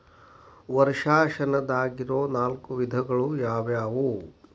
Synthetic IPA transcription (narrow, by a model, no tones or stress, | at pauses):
ʋɐɾʂaːʃɐnɐd̪aːɡiɾoːnaːlkuʋid̪ʱɐɡɐɭujaːʋjaːʋu